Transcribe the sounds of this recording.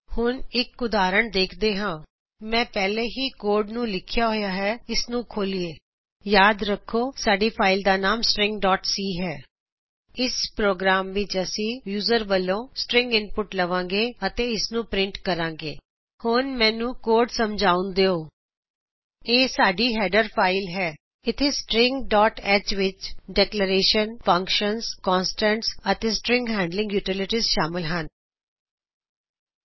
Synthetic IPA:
hʊnɪkʊd̪aːɾəɳd̪eːkʰd̪eːɦãː | mɛ̃ːpɛːleːɦiːkoːɾɖnũːlɪkʰɪjaːɦoːjaːɦɛːɪsnũːkʰoːlieː | jaːd̪ɾəkʰːoːsaːɖiːpʰaːɪld̪aːnaːmsʈɾɪ̃ŋɡɖɔːʈsiːɦɛː | ɪspɾoːɡɾaːmʋɪt͡ʃəsĩːjuːzəɾʋəlːõːsʈɾɪ̃ŋɡɪnpʊʈləʋãːŋɡeːət̪eːɪsnũːpɾɪɳʈkəɾãːŋɡḛː | hʊnmɛ̃ːnũːkoːɾɖsəmd͡ʒaːʊ̃nd̪eːoː | eːsaːɖiːɦɛːɖəɾpʰaːɪlɦɛː | ɪt̪ʰeːsʈɾɪ̃ŋɡɖɔːʈɛːt͡ʃʋɪt͡ʃɖɛːkləɾeːʃənfʰə̃ŋkʃənzkɔ̃ːnsʈɛ̃ɳʈsət̪eːsʈɾɪ̃ŋɡɦɛ̃ːɳɖlɪ̃ŋɡjuːʈɪlɪʈizʃaːmɪlɦən

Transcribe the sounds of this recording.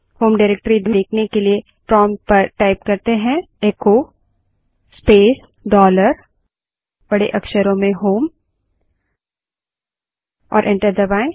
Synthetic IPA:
hoːmɖaɪɾeːk̚ʈɾid̪eːkʰnekelie | pɾɔːmpɐɾʈaːɪp̚kɐɾt̪eɦɛ̃ | eːko | speːs | ɖɔːləɾ | b̥ɐɽeʔɐkʃəɾõmẽɦoːm | ɔ̰ːɾʔɪ̃ɳʈəɾd̪ɐbaːe

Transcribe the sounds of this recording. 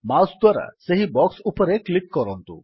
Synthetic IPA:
masd̪waɾa̰seɦibɔksupɔɾeklikːɔɾɔnt̪ṵ

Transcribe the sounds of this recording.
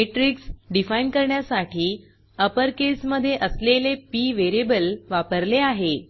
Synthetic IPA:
eʈɾiksɖifainkəɾɳjasaʈʰiː | əpəɾkesməd̪ʱːjeʔəslelepiːʋeɾebəlʋapəɾleaɦe

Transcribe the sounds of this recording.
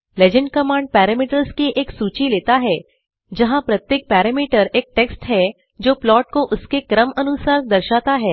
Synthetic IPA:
led͡ʑəɳɖkəmãɳɖ̚pɛːɾəmiːʈəɾskiʔeːksuːt͡ɕileːt̪aɦɛ | d͡ʒɐɦãpɾət̪jeːk̚pæɾəmiːʈəɾeːk̚ʈeksʈɦɛ | d͡ʒoːplɔːʈ̚koʔʊskekɾəmənusaɾd̪əɾʃat̪aɦɛː

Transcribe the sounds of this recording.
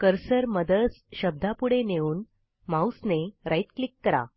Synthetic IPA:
kəɾsəɾməd̪əsɕəb̚d̪ʱapuɽeneuːn | mawsneɾajt̪klikːəɾa̰

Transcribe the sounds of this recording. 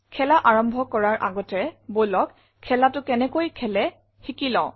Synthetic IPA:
kʰɛlaʔaɹɔmbʱɔkɔɹaɹʔa̰ɡɔtɛɹbojlɔk | kʰːɛlatʊkɛnɛkojkʰɛlɛ | xikilɔ̃ʊ̃

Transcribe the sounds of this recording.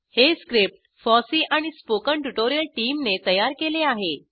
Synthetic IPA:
heskɾip̚ʈ̚ | fɔsiːʔaɽ̃ispokəɳʈuʈoɾijəlʈiːmnet̪əjaɾkeleaɦe

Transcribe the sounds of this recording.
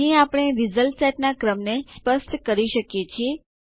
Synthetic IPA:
ĩapəɽ̃eɾizəlʈsɛʈnakɾəmnespəsʈkəɾiʃəkjet͡ʃʰie

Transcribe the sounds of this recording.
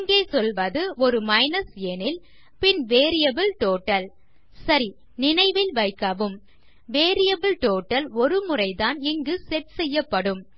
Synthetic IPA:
ɪŋɡeːsɔlʋɐðɯɔɾɯmɐɪnɐseːnɪl | pɪnʋeːɾɪjɐbɪlʈoːʈːɐl | sɐɾi | nɪnɐɪʋɪlʋɐɪkːɐʋɯm | ʋeːɾɪjɐbɪlʈoːʈːɐlɔɾɯmʊrɐɪðaːnɪŋɡɯsɛʈ̚sɛjːɐpːɐɽɯm

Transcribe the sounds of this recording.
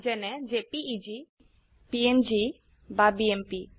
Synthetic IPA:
d͡ʒɛnɛd͡ʒepiːd͡ʒi | piend͡ʒi | babiempi

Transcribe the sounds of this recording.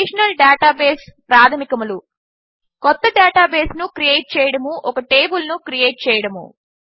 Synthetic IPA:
iʂɐnɐlɖaːʈaːbeːspɾaːd̪ʰɐmikɐmulu | kɔt̪ːɐɖaːʈaːbeːsnukɾijeːʈ̚t͡ʃɛːjɐɽɐmuʔɔkɐʈe̞ːbulnukɾije̞ːʈ̚t͡ʃɛːjɐɽɐmṵ

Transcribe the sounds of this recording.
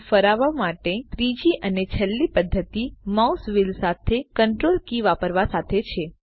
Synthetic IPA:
fəɾaʋamaʈet̪ɾid͡ʒiʔənet͡ʃʰəlːipəd̪ʱːət̪imausʋilsat̪ʰekəɳʈɾolkiʋapəɾʋasat̪ʰet͡ʃʰe

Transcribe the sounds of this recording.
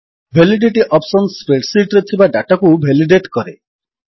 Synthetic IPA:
bʱeliɖeʈiʔɔpsɔnspeʈsiʈɾet̪ʰibaɖaʈɔkubʱeliɖeʈkɔɾe

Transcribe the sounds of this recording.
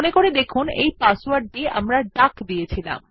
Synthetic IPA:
nekoɾed̪ekʰunḛjpaswaɾɖːia̰mɾaɖakd̪ijet͡ɕʰila̰m

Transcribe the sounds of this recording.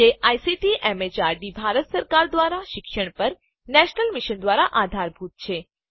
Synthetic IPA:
eʔajsiʈiʔɛmet͡ʃaɾɖibʱaɾət̪səɾkaɾd̪ʋaɾaʃɪkʃəɳ̃pəɾ | nɛʃnəlmiʃənd̪ʋaɾaʔad̪ʱaɾbʱut̪̚t͡ʃʰe

